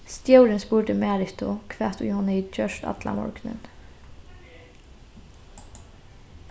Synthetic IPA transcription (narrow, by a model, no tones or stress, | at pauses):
st̪jœwɾɪnspuːɹd̪ɪmæːɾɪht̪ʊkʰʋɛːt̪ṵjhɔnːɪd͡ʒœʃt̪a̰d̪̥la̰mɔ̰ɹknɪ̰n